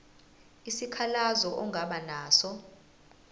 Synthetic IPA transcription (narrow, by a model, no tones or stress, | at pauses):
isikʰalazɔʔɔŋɡʱaɓanaːsɔ